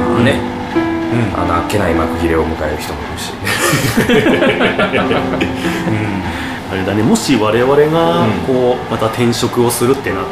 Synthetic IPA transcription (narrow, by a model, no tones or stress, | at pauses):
nẽ | a̰noakːe̞naimakɯ̟çʲiɾeomɯ̟kaeɾɯ̟çi̥t̪o̞mooɕi̥ːne | ɯ̟̃ː | aɾe̞d̪ane̞mo̞ɕiβaɾe̞βaɾe̞ɡako̞ːmat̪at̪ʰẽ̞ɰ̃ɕo̞kɯ̟o̞sɨɾɯ̟t̪ːe̞na